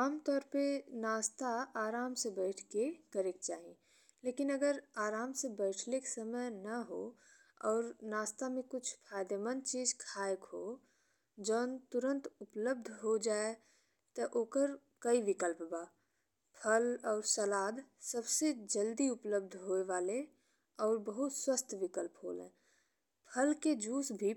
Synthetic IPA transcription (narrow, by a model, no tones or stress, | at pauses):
aːmt̪ɔːɾpenaːst̪aaːɾaːmsebɛɪʈʰkekəɾekt͡ʃaːɦi | leːkɪnɐɡəɾaːɾaːmsebɛɪʈʰleksəməjnɐɦo | ɔːɾnaːst̪amẽkʊt͡ʃʰpʰaːɪd̪emənt͡ʃiːzkʰaːjəkɦo | d͡ʒɔːnt̪ʊɾə̃nt̪ʊpləb̚d̪ʱɦod͡ʒaːe | t̪ɐʔoːkəɾ | kəiʋɪkəlpbaː | pʰəlɔːɾsəlaːd̪səbsed͡ʒəld̪iʊpləb̚d̪ʱɦoːeʋaːle | ɔːɾbəɦʊt̪swəst̪ʰʋɪkəlpɦo̰ːlḛ̃ː | pʰəlked͡ʒuːsbʱi